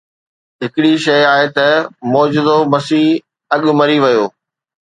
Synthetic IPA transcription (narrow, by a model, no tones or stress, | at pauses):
ɦɪkɪɽiʃɐjaːɦet̪ɐmɔːd͡ʑɪd̪omɐsiːɦ | ɐɠʊ̆mɐɾiʋɐjoː